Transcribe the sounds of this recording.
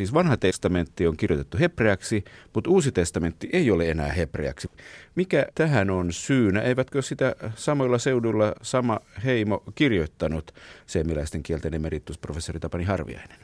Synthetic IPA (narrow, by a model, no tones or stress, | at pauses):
iːsʋɑnhɑt̪est̪ɑment̪ːioŋkirjot̪et̪ːuhepreæksimut̪uːsit̪est̪ɑment̪ːiʔeioleenæ̰ːheprḛæ̰ksimikæt̪æhænonsyːnæʔeiʋæt̪køsit̪æsɑmoilːɑseudulːɑsɑmɑheimokirjot̪ːɑnut̪seːmilæist̪eŋkielt̪enemerit̪ːusprofesːorit̪ɑpɑnihɑrʋḭɑ̰ine̥n